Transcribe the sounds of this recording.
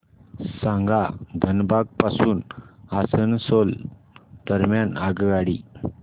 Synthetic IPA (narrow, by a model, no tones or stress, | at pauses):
sãŋɡad̪ʱənbaɡ̚pasuːnasənsol | d̪̥əɾmjanaɡɡaɽi